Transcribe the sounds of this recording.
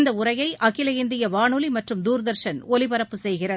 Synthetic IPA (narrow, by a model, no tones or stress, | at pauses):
nd̪ɐʊrɐjɐɪʔɐkɪlɐɪnd̪ɪjɐʋaːnɯlimɐʈrɯmd̪uːɾðɐɾʂɐnɔlɪbɐɾɐpːɯsɛjɣɪrɐð